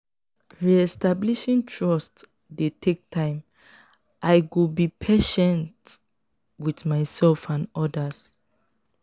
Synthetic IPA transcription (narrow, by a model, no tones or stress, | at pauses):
ɹiɛstabliʃĩŋtʰɹɔst | detʰek̚tʰãɪ̃m | ʔaɪɡubipʰeʃɛ̃nt | wiθmaɪsɛlfãnɔdas